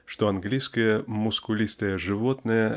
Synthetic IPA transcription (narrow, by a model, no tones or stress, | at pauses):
ʂt̪ɔɐnɡlʲijskɨjɛmʊskulʲist̪ɨjɛʐɨvɔt̪nɨjɛ